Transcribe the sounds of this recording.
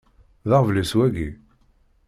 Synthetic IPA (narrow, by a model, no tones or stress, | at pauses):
ðəʁvləswæɡi